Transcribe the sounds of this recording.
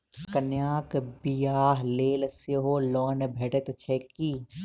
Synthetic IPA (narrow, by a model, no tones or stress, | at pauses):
kɐnjaːkbijaːɦleːlsjeɦoːlɔːnebʱeːʈet̪t͡ʃʰeːki